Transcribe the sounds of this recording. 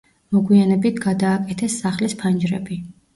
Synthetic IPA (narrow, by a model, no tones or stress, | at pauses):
mɔɡwianɛbit̪ʰɡad̪aːkʼɛt̪ʰɛsːaχlispʰand͡ʒɾɛ̰bi